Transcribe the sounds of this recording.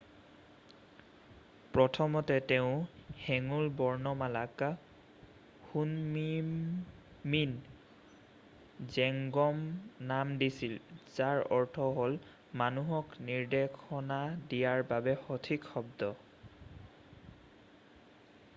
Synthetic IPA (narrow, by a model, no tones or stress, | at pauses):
pɹɔtʰɔmɔtɛtɛʊ̃hɛŋulbɔɹnɔmalak | xunmi | min | zɛŋɡɔmnamdisilz̥aɹɔɹtʰɔɦol | manuɦɔkniɹdekʰɔnadijaɹbabɛxɔtʰikxɔbdɔ